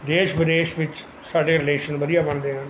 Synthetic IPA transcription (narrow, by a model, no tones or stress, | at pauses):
d̪eːʃbəd̪eːʃʋɪt͡ʃ | saːɖeːɾɪleːʃənʋəd̪ijaːbəɳd̪eːɦãː